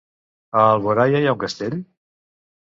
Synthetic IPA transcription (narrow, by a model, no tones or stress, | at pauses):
əːlˠβoɾajajauŋkəst̪eʎ